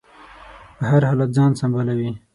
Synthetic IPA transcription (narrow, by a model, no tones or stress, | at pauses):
pəhaɾhɑlat̪̚zɑːnsambalawi